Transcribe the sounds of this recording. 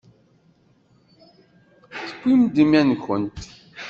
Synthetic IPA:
θə̥kʷːimd̪imjænkʊnt̪

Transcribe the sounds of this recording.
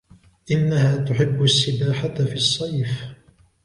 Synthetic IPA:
ʔɪnːahaːt̪ʊħɪbːʊsːɪbaːħat̪fisˤːɑjf

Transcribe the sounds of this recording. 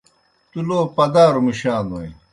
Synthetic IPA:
t̪uloːpɐd̪aːɾumiɕaːnoi

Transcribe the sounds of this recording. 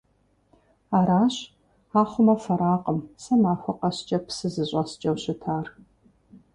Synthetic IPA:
aːɾaːɕ | aːχʷʊmɐfɐɾaːqʼəmsɐmaːrxʷʊqʼɐɕt͡ʃʼɐpsɨzɨɕʷʼɐst͡ʃʼɐwɕɪtʰaːr

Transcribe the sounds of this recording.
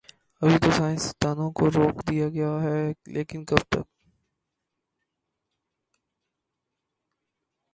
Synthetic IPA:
ɐbʱit̪osaːɪ̃nst̪aːnõkoɾoːkd̪ijaɡɐjaɦɛlʔḛːkɪnkɐbt̪ɐ̰k̚

